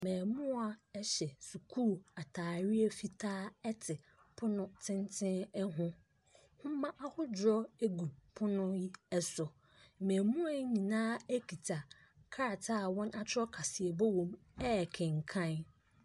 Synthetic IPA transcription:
mɛ̃ː˨mʊ̃˦a˨ɛ˦ɕɛ˨su˨kʰuː˦˨a˨tʰaː˨ɾɪ˦e˦fi˦tʰaː˦ɛ˦tʰɪ˨ | pʰʊ˦nʊ̃˦tʰɪ̃˦ntʰɪ̃˦nɛ˦ɦʊ̃˦ | hʊ̃˦mã˦ʔa˦hʊ˦d͡ʑɾɔ˦e˦ɡu˨pʰʊ˦nʊ̃˦ji˦ɛ˦sʊ˨ | mɛ̃ː˨mũ˦a˨˦ɲĩ˨nãː˦e˦kʰi˨tʰa˨ | kʰa˦a˨tʰaː˦˨wɔ̃˦na˦tʰɪ˦ɔ˦kʰa˨sɪ˨ɛ˨bɔ˦wɔ̃˨m | ɛ˦˨kʰɛ̃˨ŋ̩˨kʰã˦n

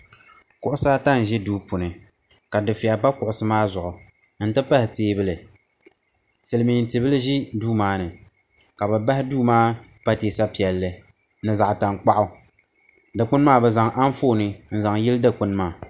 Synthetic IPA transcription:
kʊ˨ʔʊ˦saː˦ta˦n˨ʒɛ˦duː˦pʊ˨nɨ˨ | ka˨dɨ˨fi˨a˨pa˦kʊ˨ʔʊ˨sɨ˦maː˦zʊ˨ʔʊ˨ | n̩˦tɨ˦pa˦hɪ˨teː˦bɨ˦lɨ˨ | sɨ˨lɨ˨mi˨n̩˨tɨ˨bɨ˦lɨ˦ʒi˦duː˦maː˦nɨ˨ | ka˨bɛ˨ba˦hɪ˦duː˦maː˦pa˦teː˨sa˦pi˨ɛ˨lːɨ˨ | nɨ˨za˨ʔta˨ŋ˨k͡pa˦ʔʊ˨ | da˨k͡pʊ˦n˦maː˦bɛ˨za˨ŋʔa˦n˦fo˦˨nɨ˨n̩˦˨za˨ŋji˦lda˦k͡pʊ˦n˦maː˦˨

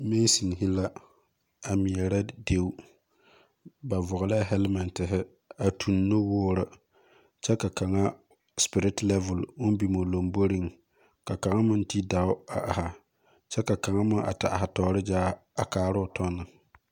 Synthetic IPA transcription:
me˦si˨n˨ɦɪ˦la˦ | a˨mi˨ɛ˨ɾa˦de˦u˦ | ba˨vʊ˨ɣʊ˨la˦ɦɛ˦lma˨ntɪ˨ɦɪ˦ | a˨tʰu˨nːo˦wʊː˦ɾɪ˨ | t͡ʃɛ˦ka˨ka˨ŋa˦ | spɪ˨ɾɪ˦tlɛ˦vʊ˨lʊ˦n˦bi˨mo˨lo˨mbo˦ɾi˦ŋ | ka˨ka˨ŋa˦mʊ˦n˦ti˦da˨ʊ˦a̰˨ʔa˨ha˨ | t͡ʃɛ˦ka˨ka˨ŋa˦mʊ˦ʔa̰˨ta̰˨ɦa˨tɔː˨˦ɾɪ˦d͡ʒaː˦a˨kaː˨ɾʊ˦ʊ˨tʰɔ˦nːɨ˨

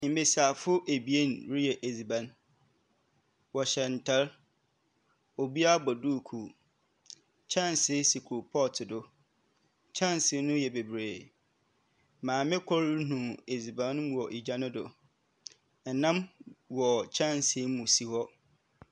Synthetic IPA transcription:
m̩˦be˨sa˨fʊ˦ʔe˨bi˨e˦nɾi˦jɛ˨ʔe˨zi˨bã˨n | wɔ˨ɕɛ˨n̩˨tʰɛ˦l | o˨bi˦a˦bɔ˨du˦˨kʰu˨ | t͡ɕʰã˦˨nsɪ˦si˨kʰu˨pʰɔ˦tʰɪ˨dʊ˦ | t͡ɕʰã˦˨nsɪ˦nʊ̃˦jɛ˨be˨bɾeː˨ | mãː˨mɪ̃˦kʷʰɔ˦ɾnũ˨e˨zi˨bã˨˦n˦˨ɔ˨ʔi˨d͡ʑa˦nʊ̃˦dʊ̰˨ | n̩˨nã˦mwɔ˨t͡ɕʰɛ̃˦˨nsɪ˦mũ˨si˨hɔ˦

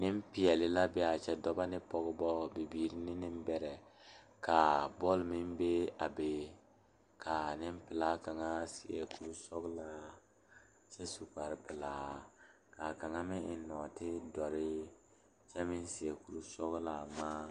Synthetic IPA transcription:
nɪ˦m˦pɪ˨˦ɛ˨lɪ˨la˦bɛ˦a˨t͡ʃɛ˦dɔ˦ba˦nɪ˦pɔ˦ɣʊ˦bɔ˦bɪ˨biː˦ɾɪ˦nɪ˦nɪ˦m˦bɛ˦ɾɛ˨ | ka˨bɔ˦lmɪ˦m˦be˦a˨be˦ | kʰa˨nɪ˦m˦pɪ˨laː˦ka˨ŋa˦si˨ɛ˨ku˦lu˦sɔ˦ɡla˦ | t͡ʃɛ˦su˨ka˨ɾɪ˦pɪ˨laː˨˦ | ka˨ka˨ŋa˦mɪ˦ɪ˨˦nɔ˨tɪ˦dɔ˨ɾɪ˦ | t͡ʃɛ˦mɪ˦n˦sɪ˨ɛ˨ku˦lu˦sɔ˦ɣʊ˦la˨maː˦

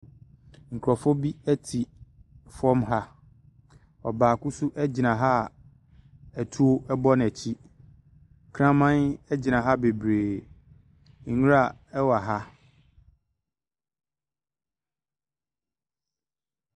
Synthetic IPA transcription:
ŋ̩˨kʰɾɔ˨fʊ˦bi˦æ˦tʰi˨fɔ̃˦mɦa˦ | ɔ˨baː˨kʊ˦su˦ʔɛ˦d͡ʑɪ˨nã˨ɦa˦˨ | æ˨tʰu˦o˦ɛ˦bɔ˦n˨ɛ˨t͡ɕʰi˦ | kʰɾã˦mã˦nɛ˦d͡ʑɪ˨nã˨ɦa˦be˨bɾeː˨ | ŋ̩˨ɲũ˦ɾa˨ɛ˦wa˨ɦa˦

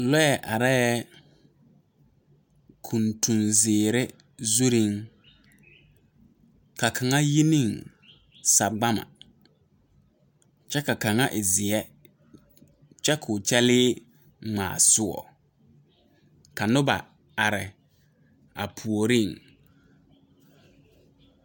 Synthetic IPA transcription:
lɔ˦ɛ˨ʔa˨ɾɛ˦ | kʰu˨ntʰu˨nzɪː˨ɾɪ˦ | zu˦ɾi˦ŋ | ka˨kʰa˨ŋa˦ji˦ni˦˨ŋ | sa˨ɡ͡ba˦ma̰˨ | t͡ʃɛ˦ka˨ka˨ŋa˦ʔɪ˨zɪ˨ɛ˦ | t͡ʃɛ˦kʰʊ˨t͡ʃɛ˦lɪː˦ | ŋ͡ma̰ː˨sʊ˦ɔ̰˨ | ka˨nʊ˦ba̰˨ | a˨ɾɪ˨ | a̰˨pʰu˨o˨ɾi˦˨ŋ

